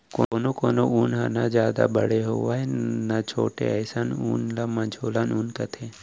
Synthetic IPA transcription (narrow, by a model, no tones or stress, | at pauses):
koːnoːkoːnoʔuːnɦanazjaːd̪a̰bəɽ̤eɦoːaɦenat͡ʃʰo̰ːʈḛɛːsanuːnlaːmãd͡ʒʱoːlanuːnkɐt̪ʰeː